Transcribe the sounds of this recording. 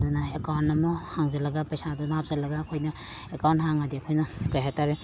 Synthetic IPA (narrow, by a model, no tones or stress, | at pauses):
dunɐekawntːɐmohaŋzɐlɐɡapɐjsadunap̚z̥elɐɡaːkʰojnɐ | ekawntɦaŋadiɐkʰojnɐkajɦajtaɾe